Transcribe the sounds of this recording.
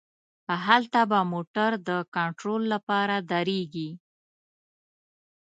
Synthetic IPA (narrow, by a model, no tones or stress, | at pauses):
əɦalt̪abamoʈaɾd̪əkɑɳʈɾolːapɑɾad̪aɾeɡi